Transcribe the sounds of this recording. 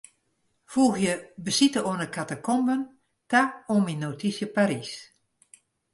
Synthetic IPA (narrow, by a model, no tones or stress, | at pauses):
fuːɣjəbəsitəoənəkʰatəkʰɔmbən | taominːotʰisjəpaɾis